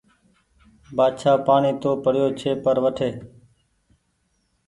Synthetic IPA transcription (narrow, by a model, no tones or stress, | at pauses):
baːd̪ʃaːpaːɳiːt̪oːpəɽɪjoːt͡ʃʰeːpəɾʋəʈʰeː